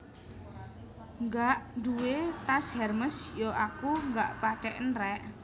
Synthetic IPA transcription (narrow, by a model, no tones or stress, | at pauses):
ŋɡaʔnduwet̪ashɛrməsjɔakuŋɡaʔpaʈɛʔnrɛʔ